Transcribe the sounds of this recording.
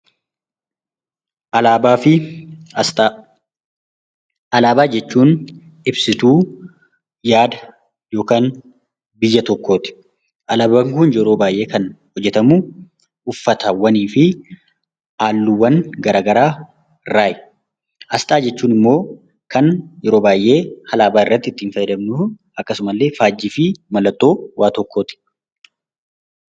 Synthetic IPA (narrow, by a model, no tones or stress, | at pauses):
ʔɐlaːbaːfɪ | tː | ʔɐlaːbaːd͡ʒɛt͡ʃːuːn | ɪbsɪt̪uː | jaːd̪ɐ | jo̞ːkaːn | bɪjːɐt̪ɔkːo̞ːt̪ɪ̥ | ʔɐlaːbɐŋkʊnd͡ʒɛɾoːbaːjʔe̞ːkɐnhɔd͡ʒːɛt̪ɐmuː | ʔʊfːɐt̪ɐwɐniːfɪ | ʔaːlːuwːɐnɡɐɾaːɡɐɾaː | raːʔɛ | ʔɐst̪ʼaːd͡ʒɛt͡ʃːuːnɪmːo̞ː | kɐnjɛɾo̞ːbaːjʔe̞ːhɐlaːbaːɪrːɐt̪ːɪt̪ːiːnfɐjːɛd̪ɐmnʊʔɐkːɐsʊmɐlːe̞ːfaːd͡ʒːɪfɪmɐlɐt̪ːo̞ːwʔaːt̪ɔkʰːo̞ːt̪ɪ̥